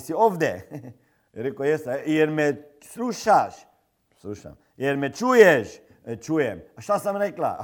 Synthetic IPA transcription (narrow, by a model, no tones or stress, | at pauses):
siovd̪ɛ̰ | ɾɛkojɛst̪ɛjɛɾmɛ | sluʃaʃ | sluʃa̰m | jɛɾmɛt͡ʃujɛʃ | t͡ʃujɛmaʃt̪asamɾɛkla̰